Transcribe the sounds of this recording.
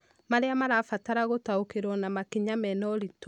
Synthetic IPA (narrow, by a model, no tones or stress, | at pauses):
maɾeamaɾafataɾaɣotaokeɾwɔnamakiɲamɛnɔɾit